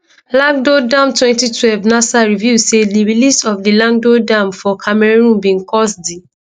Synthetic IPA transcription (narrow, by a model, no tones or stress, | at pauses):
lãŋɡ̚dodãmtwɛ̃ntitʰwɛlvnasaɹivjusediɹilisɔfdilãŋɡ̚dodãmfɔkʰamɛɹɹũnbĩnkʰɔsdi